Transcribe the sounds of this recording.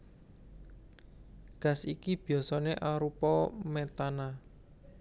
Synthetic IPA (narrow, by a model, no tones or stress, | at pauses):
ɡ̥a̤sikib̥i̤ɔsɔneʔaɾupɔmɛt̪ana